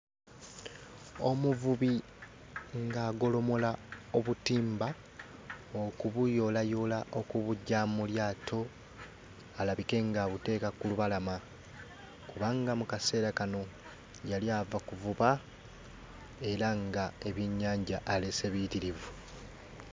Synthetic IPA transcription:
o̞̰muvuβi | ŋɡaːɡo̞lo̞mo̞laoβutiːmba | okuβujo̞lajo̞laʔo̞kuβuɟamuljaːtʰo̞ | alaβike̞ŋɡaβute̞ːkakuluβalama | kuβaŋɡamukase̞ːɾakano̞ | jaljavakuvuβa | e̞ɾaŋɡae̞βjeɲːaːɲɟaʔːle̞se̞βitiɾivu

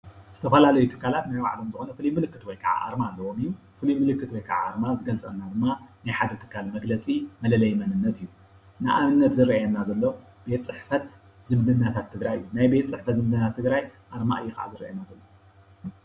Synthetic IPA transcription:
z̥ɨt̪ʰɐfɐlalɐjut̪ʰɨ̥kːalat̪najwa̰ʕlomzɨxonɐfɨlijmɨlɨkːɨt̪wɔjkʰɐʕa̰ʔa̰ɾmaːlːɐwo̞mɨjːu | fɨlijmɨlɨkːɨt̪wɔjkʰa̰ʕa̰ːɾmazɨɡɐlt͡sʼɐnːad̪ɨmːanajħad̪ɐt̪ʰɨ̥kːalmɐɡlɐt͡sʼimɐlɐlɐjmɐnɨnːɐt̪ʰɨjːu | nɨʔamɨnːɐt̪zɨɾɐjɛnːazɐlːo̞ | be̞t̪t͡sʼɨħfɐt̪ | z̥ɨmd̪ɨnːat̪ʰat̪ʰːɨɡɾajɨjːunajbe̞t̪sʼɨħfɐt̪zɨmd̪ɨnat̪ʰat̪ːɨɡɾajʔaɾma̰ʔɨjːukɐʕa̰zɨɾɐ̰jɛnːazɐlːo

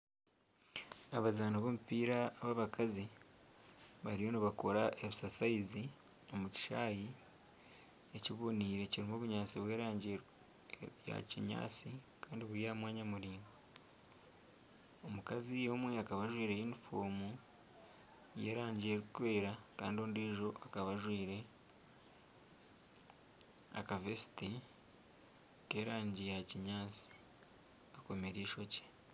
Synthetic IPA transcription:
aβazaːnaβomupiːɾaːβaβakazi | βaɾijo̞niβako̞ɾaʔeβisasaizi | o̞muti̥ʃaːji | e̞ciβo̞niːɾe̞ciɾiːmo̞βuɲaːt͡siβweːɾaːɲɟe | ja̰ciɲa̰ːt͡si | kaːndiβuɾijamwaːɲamuɾiːmɡa | omukazijo̞ːmwe̞akaβaʒwiːɾejiːnifoːmu | je̞̰ːɾaːɲɟiɾeɾuukwe̞ːɾaka̰ːndio̞ːndiːʒo̞ʔakaβaʒwiːɾe̞ | a̰kavesi̥ti | ke̞ːɾaːɲɟijaciɲaːt͡si̥ | ako̞me̞ɾiːʃo̞ce̥

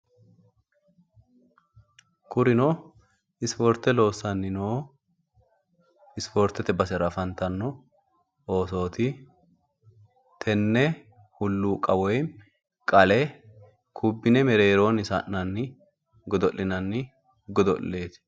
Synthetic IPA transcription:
kʊɾɪnoː | ɪsfɔɾt̪ːɛlo̞ːsɐnːɪnoː | ɪsfoɾt̪ːɛt̪ɛbɐsɛɾɐfɐnt̪ɐnːɔ | oːso̞ːt̪ɪ | t̪ʰɛnːɛ | hʊlːuːkʼɐwɔj | kʼɐlɛ | kʰʊbːɪnɛmɛɾeːɾo̞ːnɪsɐ̰ʔnɐnːɪ | ɡɔd̪ɔlːɪnɐnːɪ | ɡɔd̪ɔ̰lːe̞ːt̪

